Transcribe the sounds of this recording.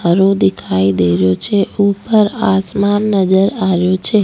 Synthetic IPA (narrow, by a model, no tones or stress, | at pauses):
əɾod̪ikʰaid̪eɾjot͡ʃʰeupəɾasmanːəd͡ʒəɾaʋjot͡ʃʰe